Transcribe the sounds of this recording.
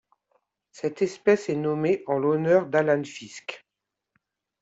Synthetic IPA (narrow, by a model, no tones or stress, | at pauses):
sɛt̪ɛspɛsɛnɔmeʔɑ̃lɔnœʁd̪alanfiskʲ